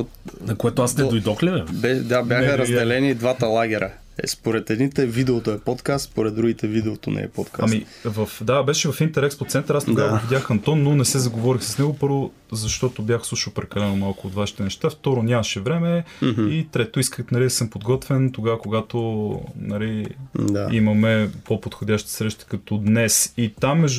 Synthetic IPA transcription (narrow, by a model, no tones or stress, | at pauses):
nɐkoɛt̪oasnɛojd̪ɔxlʲɛvɛmbɛd̪abʲjaxəɾəzdd̪ɛlɛnid̪vat̪əlˠaɡʲɛɾə | ɛ̰spoɾɛt̪ɛd̪nit̪ɛvid̪ɛot̪oɛpɔt̪kast̪spoɾɛd̪̚d̪ɾuɡʲit̪ɛvid̪ɛot̪o̰nɛ̰ɛpɔt̪kaami | vɐfd̪abɛʃɛvɐfint̪ɛɾɛkspot̪sɛnt̪əɾast̪koɡavəɡvidʲjaxɐnt̪ɔnːonɛsɛzɐɡovɔɾixsə̥snɛɡopɤɾvo | zɐʃt̪ɔt̪objaxslˠuʃəlˠpɾɛkɐlɛnomalˠkʊot̪vaʃi̥t̪ɛnɛʃt̪aft̪ɔɾonʲamɐʃɛvɾɛmɛit̪ɾɛt̪oiskəxt̪nɐlid̪ɐsɤmpod̪ɡɔt̪vɛnt̪oɡavəkoɡat̪onɐlid̪aimɐmɛpopot̪xod̪ʲaʃt̪i̥sɾɛʃt̪i̥kɐt̪ɔd̪nɛsit̪amːɛʒ